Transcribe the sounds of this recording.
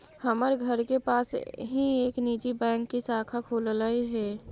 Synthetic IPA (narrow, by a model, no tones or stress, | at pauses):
həməɾɡʱəɾkepaːsɦieːkniːd͡ʒibɛ̃ːŋkːisaːkʰakʰoːllaiɦɛː